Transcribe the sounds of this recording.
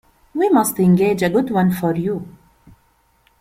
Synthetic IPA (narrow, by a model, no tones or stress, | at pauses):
wimʌstɪ̃ŋɡeːd͡ʒəɡʊdwʌ̃nfɔɾju